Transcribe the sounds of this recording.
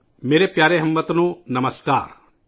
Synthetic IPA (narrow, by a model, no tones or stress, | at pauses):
meːɾepjaːɾeɦɐmːət̪nũnɐməskaːɾ